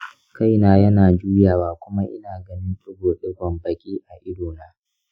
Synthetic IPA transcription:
ka˦˨jnaː˦jɐ˦naː˨d͡ʒuː˦jaː˨waː˦kʷʊ˦ma˦ʔɪ̰˦naː˨ɡɐ˦nɪ˦nsʊ˦ɡoː˨ɗɪ˦ɡʷɐ˨mbɐ˨kʲʼiː˦ʔa˨ʔɪ˦doː˨naː˦

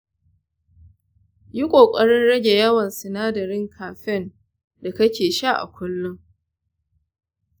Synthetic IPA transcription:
ji˦kʷʼoː˨kʷʼɐ˦ɽɪ˦nɽɐ˦ɡʲe˨jɐ˦wɐ˨nsɪ˨naː˦dɐ˨ɾɪ˦ŋkʰaː˨ɸɪ˦˨n | da˨kɐ˦kʲeː˨ʃa˦˨ʔa̰˨kʷʊ˦lːʊ˦ŋ

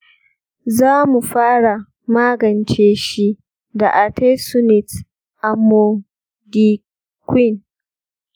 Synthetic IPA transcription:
zaː˦mu˨ɸaː˦ɽa˨ | maː˦ɡɐ˨nt͡ʃeː˦ʃi˦ | da˨ʔa˨te˦sʊ˦nɪ˨t | ʔa˨mːo˦ | di˦ | kwɪ˦˨n

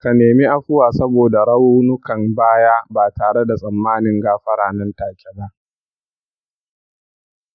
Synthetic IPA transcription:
ka˨neː˨mi˦ʔa˦ɸʊ˦waː˨sɐ˦boː˨da˨ɽɐ˦wuː˦nʊ˦kɐ˨mbaː˦jaː˦baː˨taː˨ɽe˦da˨sʼɐ˨mːaː˦nɪ˨ŋɡaː˦ɸɐ˦ɽaː˨nɐ˦ntaː˨kʲɛ˦ba˦ʔ

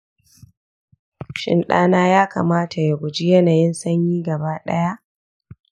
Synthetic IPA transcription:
ʃɪ̰˨nɗaː˦naː˦jaː˦ka̰ː˨maː˦tʰa˨ja˨ɡʷʊ˨d͡ʒi˦jɐ˦naː˨jɪ˦nsɐ˦ɲjiː˦ɡɐ˨baː˦ɗɐ˦ja˦ʔ

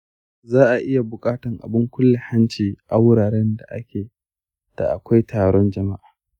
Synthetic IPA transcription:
zaː˦ʔa˨ʔɪ˦ja˨bʊ˨kʼaː˦tɐ˨ŋʔa̰˨bɪ˦ŋkʷʊ˦lːe˨ha˦nt͡ʃiː˨ʔa˦wʊ˦ɽaː˨ɾɛ˦nda˨ʔa̰˦kʲʰeː˨ | d̥a̰˨ʔa˨kʷa˦jtʰaː˨ɽɔ˦nd͡ʒɐ˨ma˦ʔaː˨

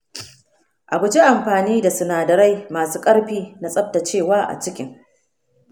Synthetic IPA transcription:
ʔa˨bʊ˨d͡ʒi˦ʔa˨mɸaː˨niː˦da˨sʊ˨naː˨dɐ˨ɾa˦jmaː˨suː˦kʼɐ˦ɽɸiː˦na˦sʼɐ˦b̚ta˨t͡ʃeː˦˨waː˦ʔa̰˨t͡ʃɪ˦kʲɪ˦ŋ

